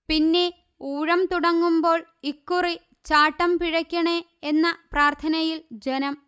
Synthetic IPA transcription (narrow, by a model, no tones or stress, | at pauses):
pinːe̞ | uːɻɐmt̪uɽɐŋːumbo̞ːɭikːuri | t͡ɕaːʈːɐmpiɻɐkʲːɐɳe | enːɐpraːrt̪ʰɐnɐjild͡ʑenɐm